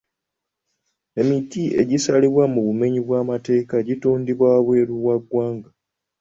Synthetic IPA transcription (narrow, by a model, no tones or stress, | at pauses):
e̞mitie̞̰ɟisaliβwamuβume̞ɲiβwaːmate̞ːkaɟituːndiβwaβwe̞ːɾuwaɡːwaːŋɡa